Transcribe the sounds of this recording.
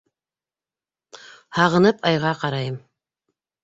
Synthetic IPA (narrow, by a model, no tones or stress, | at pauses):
hɑʁɤ̆nɤpɑjʁɑqɑɾɑjɤm